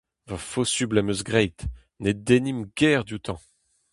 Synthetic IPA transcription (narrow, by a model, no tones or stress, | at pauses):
vafosyblɛmøzɡʁɛjt̪ | ned̪enimɡɛːʁd̪ut̪ɑ̃